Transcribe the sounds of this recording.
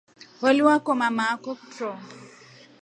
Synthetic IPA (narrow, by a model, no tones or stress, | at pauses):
holiwakɔmamakɔktrɔ